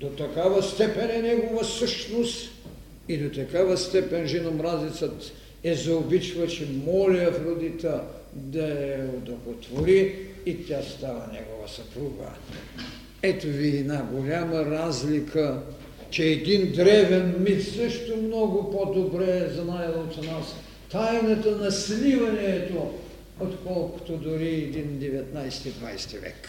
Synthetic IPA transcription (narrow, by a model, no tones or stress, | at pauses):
d̪ot̪ɐkavɐst̪ɛpɛnɛnʲɛɡovɐsɤʃnost̪ | id̪ot̪ɐkavɐst̪ɛpɛnʒɛnomɾazlit̪sət̪ | ɛzɐobit͡ʃvət͡ʃɛmɔliɐfɾod̪it̪ə | d̪ɐɛod̪okot̪voɾiit̪ʲast̪avɐnʲɛ̰ɡovɐ̰sɐpɾuɡə̰ | ɛt̪oviɛd̪naɡolʲaməɾazlikʰə | t͡ʃɛːd̪ind̪ɾɛvɛnmit̪səʃt̪omnɔɡʊpod̪obɾɛzɐnajlˠoot̪nas | t̪ajnɐt̪ənɐslivɐnɛt̪o | ot̪kɔlˠkʊ̥t̪od̪ʊɾiɛd̪ind̪ɛvɛt̪najsɛ̥t̪id̪va̰jst̪ivɛ̰k